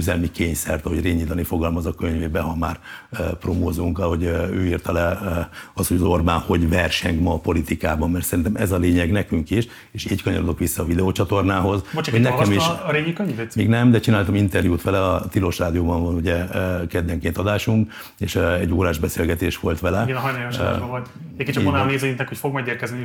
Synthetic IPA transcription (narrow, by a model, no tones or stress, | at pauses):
yzɛlmikeːɲsɛrt̪ɒɦo̞ɟreːɲiːt̪ɒnifo̞ɡɒlmɒzɒkøɲveːbɛɦɒmaːrpromoːzuŋkɒho̞ɟøːirt̪ɒlɛ | ɒshoɟɒzo̞rbaːnho̞ɟvɛrʃɛɲkmɒpo̞lit̪ikaːbɒmːɛrt̪sɛɾint̪ɛmʔɛzɒleːɲɛɡnɛkyŋkiʃ | eːʃiːckɒɲo̰ɾod̪o̞kʋisːɒːvid̪ɛoːt͡ʃɒt̪o̞rnaːɦo̞zbot͡ʃɛonɛkɛmiʃɾeːɲikøɲvet̪miːɡnɛmd̪ɛt͡ʃinaːlt̪ɒmint̪ɛrjuːt̪ʋɛlɛɒt̪ilo̞ʃraːd̪ijoːbɒɱvɒnuɟɛkɛd̪ːɛŋkeːnt̪ɒd̪aːʃuŋk | eːʃɛɟːoːɾaːʒbɛseːlɡɛt̪eːʃʋo̞lt̪ʋɛlɛiɡɛnɦɔjnaʃʒoot̪ekːet͡ʃɔonneːziit̪nɛkhocʲfo̞ɡmɛɡeːrkɛzni